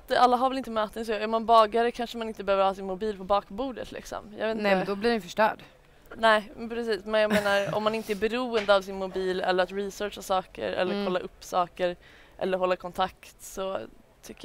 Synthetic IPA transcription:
t̪alːaɦaɾvɛlɪnt̪əmøːt̪ənsɔæɾmanbɑːɡaɾəkʰanʂəmanɪnt̪əbɛhøːvəɾhɑːs̬ɪnmʊbiːlpʰɔbɑːkbuːd̪ə̰t̪ʰlʔɪ̰ksɔ̰mjɑ̰ɡvet̪nɛd̪ɔbliɾɛj̪fœʂʈœ̰ːɖ | nɛːpʰɾɛsiːsmɛnjɑaɡmeːnaɾɔ̰mːanɪnt̪əæɾbɛɾuːənd̪əavsɪnmʊbiːlɛ̰lːəɾat̪ɾisœːʂasɑːkə̰ɾɛ̰lːəɾkʰɔlːaʔɵpːsɑːkəɾ | ʔɛ̰lːəɾɦɔlːakʰɔnt̪ʰakt̪sɔ | t̪ʰʏkːə

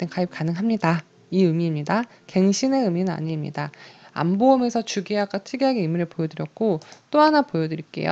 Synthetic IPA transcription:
t͈enkaip̚k͈anɯŋɦamɲida | iɯmimɲida | ke̞ŋɕʰine̞ɯminɯna̰ɲimɲḭdaa̰mboʌme̞sʰʌt͡ɕuɡiaɡ͈at͡ɕʰɯɡiɦaɡeimiɾɯɭpojʌdɯɾjʌk̚k͈ot͈oɦanapojʌdɯɾik͈e̞̰jo̰

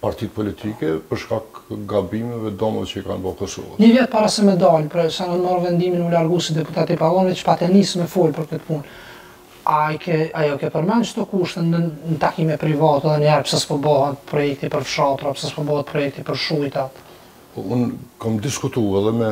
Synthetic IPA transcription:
paɾt̪it̪̚pɔlit̪ʰikɛpəɾʃkakɡabimɛvɛd̪ɔmɛɛt͡ʃəikanbɔkɔsɔ̰vaɲəvjɛt̪̚paɾasɛmɛd̪ɑlpɾɛsanɔnmɔɾvɛnd̪iminulaɾɡusid̪ɛput̪at̪ipalˠɔnvɛt͡ʃə̥pat̪ɛnismɛfɔlpəɾkət̪pun | ajkɛajɔkɛpəɾmant͡ʃəd̪ɔkuʃt̪ɛnənət̪akimɛt̪pɾivɑt̪ɛðɛnɛɾpsaspəbɔɦat̪̚pɾɔjɛkt̪ipəɾfʃat̪ɾapsaspɔbɔhat̪̚pɾɔjɛk̚t̪ipəɾʃujt̪at̪ | ɔunkamd̪iskut̪uɛðɛmɛ

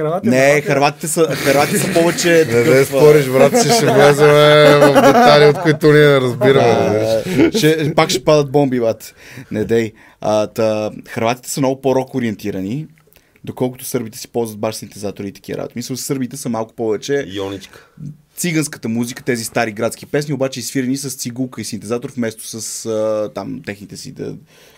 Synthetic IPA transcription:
ɾannɛxɐɾvat̪i̥t̪ɛsəxɐɾvat̪it̪ɛsɐpɔvɛt͡ʃɛɛd̪ɛspɔɾiʃbɾat̪ssɛʃɛvlɛzɛmɛvd̪ɛt̪aliot̪koit̪ʊniɛnɛɾəzbiɾəmɛʃʃɛpakʃɛpad̪ət̪̚bɔmbivat̪ | nɛd̪ɛj | ət̪əxɐɾvat̪i̥t̪ɛ̥əmnɔɡʊpoɾɔkoɾiɛnt̪iɾəni | d̪okɔlˠkʊt̪ʊ̥sɤɾbit̪ɛ̥si̥pɔlˠzvət̪baʃsint̪ɛzat̪oɾit̪ɐk̟iə̰ɾa̰bo̰t̪misəlsɤɾbit̪ɛsəmalˠkʊ̥pɔvɛt͡ʃɛjɔnit͡ʃkə̥t̪siɡənskə̥t̪əmuzikə̥t̪ɛzist̪aɾiɡɾat̪skʲipɛsniobat͡ʃɛisfiɾɛnisəst̪siɡulˠkəisint̪ɛzat̪oɾfmɛst̪o̥səsət̪amt̪ɛxnit̪ɛsḭd̪ə̰

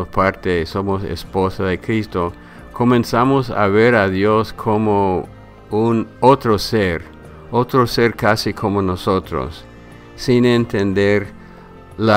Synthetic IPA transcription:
ospaɾt̪esomosḛsposaðekɾist̪o | ko̞mẽnsamosa̰βeɾaðjoskʰomo | unot̪ɾoseɾ | ot̪ɾoseɾkasikʰo̞monosot̪ɾo̰sː | inent̪end̪eɾ | la

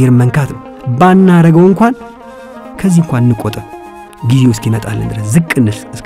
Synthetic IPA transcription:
ɛɾməŋkʰat̪nəw | banːaɾəɡəwɨŋkʷan | kʰəzːihɨŋkʷanɨnːɨkʼɔt̪ʼə | ɡizeʊskinmət̪ʼa̰lːɨ̰nd̪ɨɾəszɨkʼːɨnːɨsɨs

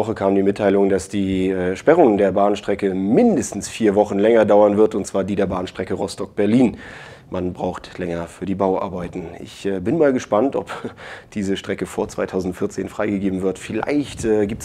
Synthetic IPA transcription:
ɔχəkʰaːmndiːmɪtʰːaɪlʊŋdasd̥iːɛːʃpɛʁʊŋdeːɐbaːnʃtʁ̥ɛkəmɪndəstn̩sfiːɐvɔχn̩lɛŋɐdaʊɐnvɪɐtʊntt͡sv̥aːɐdiːdeːɐbaːnʃtʁ̥ɛkəʁɔstɔk̚b̥ɛɐliːn | manbʁa̰ʊxtlɛŋɐfyːɐdiːbaʊʔa̰ɐbaɪtn̩ɪ̰çɛːbɪnmaːlɡəʃpantɔ̰pd̥iːzəʃtʁ̥ɛkəfoːɐt͡sv̥a̰ɪtʰaʊzn̩tfɪɐt͡seːnfʁ̥aɪɡəɡeːbm̩vɪɐtfɪla̰ɪçtɛːɡiːp̚t

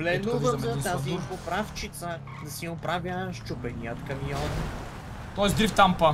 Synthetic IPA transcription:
vlɛnoɔɐazipopɾaft͡ʃit̪sə | d̪ɐsiʊpɾavjəʃt͡ʃupɛniət̪kɐviɔn | t̪ɔɛsd̪ɾift̪ampə

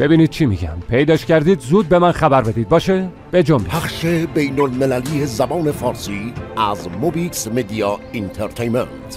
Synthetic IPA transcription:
b̥e̞biːniːd̪̥̚t͡ʃʰimḭːɡæ̰mpʰe̞jd̪ɒːʃcæɾd̪iːd̪zuːd̪̚be̞mænxæbæɾbe̞d̪iːd̪̚bɒːʃe | b̥e̞d͡ʒombipʰæχʃebejnolmelæliːezæbɒːnefɒːɾsiːæzmobiksmed̪iɒint̪ʰeɾt̪ʰejment̪

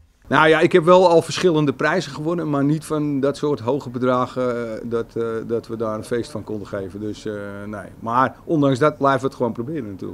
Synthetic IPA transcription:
nawjaɪkhɛpʋɛlˠɔlˠfərsχɪlˠəndəprɛjzənχəʋonənmarnitfɔndɔtsoːtɦoːɣəbədraːɣədɔtdɔtʋədaːrənfeːstfɔnkondəxeːvəndøsnḛːmarʔɔndaŋsdɔt̚blɛjftʋətxəʋoːnprobɪːrənaty̰ːlə

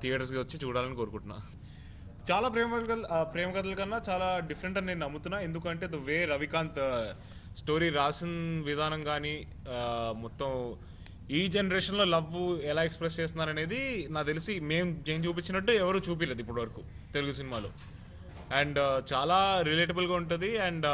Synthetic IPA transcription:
t̪ʰijaːʈɐɾs̬kiʋɐt͡ʃːit͡ʃuːɽaːlɐniko̞ːɾukuɳʈunːa̰ː | t͡ʃaːlaːpɾeːmɐk̪ɐlkɐpɾeːmɐɡɐt̪̬ɐlɐkɐnːaːt͡ʃaːlaːɖifʰɐɾeɳʈɐneːnnɐmːut̪unːaːe̞nd̪ukɐɳʈe̞ːd̪uʋeːɾɐʋikaːnt̪ | sʈo̞ːɾiːɾaːsɐnʋid̪ʱaːnɐŋɡaːni | mɔt̪ːɐm | iːd͡ʒenɐɾeːʂɐnlo̞ːlɐʋɛlaːekspɾes̬t͡ʃeːs̬t̪unːaːɾɐne̞ːd̪inaːt̪e̞lisime̞ːmt͡ʃeːɲt͡ʃuːp̬it͡ʃːinɐʈːuɛʋɐɾuːt͡ʃuːp̬ileːd̪uipːuɽʋɐɾɐkut̪e̞luɡusinimaːlo̰ː | ɛɳɖt͡ʃaːlaːɾile̞ːʈɐbulɡaːuɳʈund̪iɐɳɖ

